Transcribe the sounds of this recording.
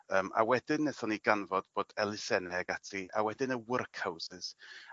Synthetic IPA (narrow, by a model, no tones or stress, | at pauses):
əːma̰wɛdɪnːɛθɔniɡanvɔd̥b̥oːd̥ɛlˠɪsɛnɛaɡatʰiʔa̰wɛdɨnəwərkʰhawsɪz̥